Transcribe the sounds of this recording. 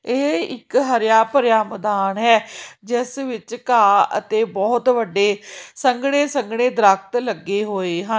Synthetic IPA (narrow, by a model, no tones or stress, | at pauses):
eːɪkɦəɾjaːpəɾjaːməd̪aːnɦɛːd͡ʒɪsʋɪt͡ʃkaːə̰t̪eːbɔːt̪ʋəɖeːsəŋɡɽeːsəŋɡɽeːd̪əɾək̚ʰt̪ləɡːeːɦoːeːɦə̃